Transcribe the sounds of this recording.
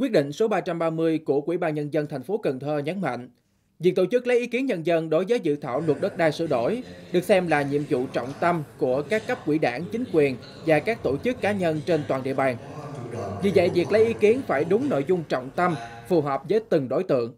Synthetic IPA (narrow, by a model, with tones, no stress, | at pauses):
kwi˦˥ət̚ɗḭ̈˧˨ŋ̟so˨˦ɓaː˧t͡ɕa˧mɓaː˧mɨ˧əjku˧˩əkwḭ˧˩ɓaː˧nɲə˧nzə˧nt̪ʰjŋ̟fo˨˦kə˨˩ŋt̪ʰəː˧ɲə˨˦nma̰˧˨ŋ̟ | vi˨˩ək̚t̪o˧˩t͡ɕɨ˦˥k̚lə˨˦jʔi˨˦ki˨˦ənɲə˧nzə˧nɗo˨˦jzəː˨˦jzɨ̰˧˨t̪ʰaː˧˩wlwə˨˩t̚ɗə˦˥t̚ɗaː˧sɨ̰˧˨ɗo˧˩jɗɨ˨˩ək̚sɛ˧mlaː˨˩ɲḭ˧˨əmzṵ˧˨t͡ɕɔ̰˧˨wŋ͡mt̪ə˧mku˧˩əkaː˦˥kːə˦˥p̚kwi˧˩ɗaː˧˩nt͡ɕï˨˦ŋ̟kwi˨˩ən | vaː˨˩kaː˦˥k̚t̪o˧˩t͡ɕɨ˦˥kːaː˨˦ɲə˧nt͡ɕe˧nt̪waː˨˩nɗḭ˧˨əɓaː˨˩n | vḭ˧˨zə̰˧˨jvi˨˩ək̚lə˨˦jʔi˨˦ki˨˦ənfaː˧˩jɗʊ˨˦ŋ͡mno̰˧˨jzʊ˧ŋ͡mt͡ɕɔ̰˧˨wŋ͡mt̪ə˧m | fu˨˩ɦɔ˨˩p̚zəː˨˦jt̪ɨ˨˩ŋɗo˧˦jt̪ɨ̰˧˨əŋ